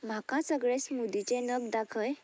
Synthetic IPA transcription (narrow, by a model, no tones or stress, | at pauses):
m̤akãsəɡɭẽsmud̪it͡sẽnəbd̪akʰəj